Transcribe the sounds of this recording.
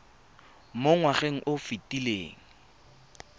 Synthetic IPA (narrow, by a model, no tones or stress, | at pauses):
moŋwaχeŋ̩ʔʊfitileːŋ̩